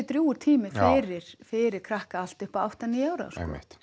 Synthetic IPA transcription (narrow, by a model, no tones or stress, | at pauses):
t̪ɾjuːʏɾ̥t̪ʰiːmɪfɪːɾɪɾ̥fɪːɾɪɾkʰɾahkaal̥t̪ʏhpaawht̪aniːaːwɾa̰wsɛ̰mɪ̰tt̪